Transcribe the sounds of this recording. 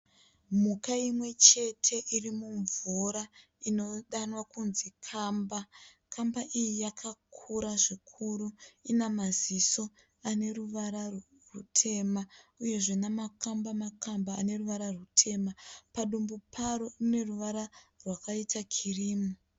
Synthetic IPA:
mukaimwe̞t͡ʃe̞tʰe̞ʔirimuɱvuɾa | ino̞ɗanwakunzikʰaːmba | kʰambaʔijijakʰakʰuɾaʐikʰuɾuinamaziso̞ | ane̞ruʋaɾa | rutʰe̞mauje̞ʐenamakambamakamba̰ːne̞ruʋaɾarutʰe̞mapaɗumbupʰaɾo̞ine̞ruʋaɾarwakaitakʰiriːmu

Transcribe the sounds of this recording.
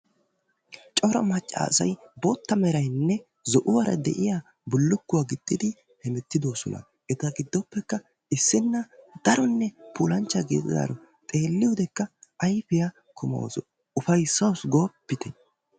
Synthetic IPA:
t͡ʃʼɔɾɐ̰mɐt͡ʃʼːa̰ːsɐ̰jbot̪ːɐmɛɾɐjnːɛ | zɔʔʊwɐɾɐ̰d̪ɛ̰ʔɪjaː | bʊlːʊkːʊwaːɡɪd̪̥ːɪd̪ɪ | hɛmɛt̪ːɪd̪oːsɔ̰nɐ̰ | ʔɛt̪ɐɡɪd̪ːɔpːɛkːɐ | ɪsːɪnːɐd̪̥ɐɾɔnːɛpʰuːlɐnt͡ʃːɐɡeːt̪ɪ̰a̰ːɾɔ | t̪ʼe̞ːlːɪjʊd̪ɛkːɐɐjfɪja | kʰʊmo̰w̰sɔ | ʊfɐjsːɐwsɡoːpːɪt̪ɛ̥

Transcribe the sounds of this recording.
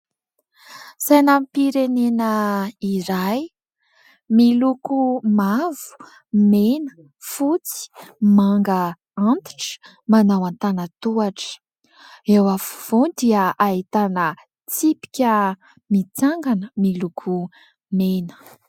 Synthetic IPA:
sajnampiɾenenəiɾaj | milukumavu̥ | menə̥ | fut͡si̥maŋɡə | ant̪i̥ʈ͡ʂ | manawant̪anət̪uaʈ͡ʂə̥ | ewafu̥v̥od̪iəait̪anə | t͡sipi̥kʲə | mit͡saŋɡanəmilukʰu | menə̥

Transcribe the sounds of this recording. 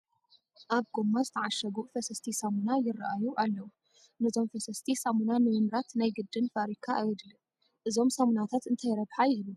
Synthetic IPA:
ʔaβɡomːazɨt̪ʰɐʕaʃɐɡuʔfɐsɐst̪ʰisamunajɪrːaʔajuʔalːɐwu | nɨzʰo̞mfɐsɐst̪ʰisamunanɨmɨmɾat̪najɡɨd̪ːɨnfaɾikʰaʔːjwɔd̪lɨ | ʔɨzo̞msamunat̪ʰat̪ɨnt̪ʰajɾɐβħajɪhlu

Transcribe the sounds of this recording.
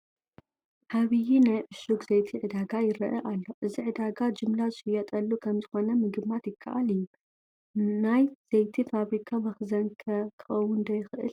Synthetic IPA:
ʕaβijinajʕɨʃuɡzejt̪ʰiʕɨd̪aɡajɪɾɐʔɐʔalːo̞ʔɨziʕɨd̪aɡad͡ʒɨmlazɨʃɨjɐt̪ʼɐlːukʰɐmzɨxo̞nɐmɨɡɨmːat̪jɪkʰːɐ̰ʔaliju | najz̥ejt̪ʰifaβɾikʰamɐxzɐnkʰɐkʰɨ̥xɐwʊnd̪ɐjɪxʔɨ̰l

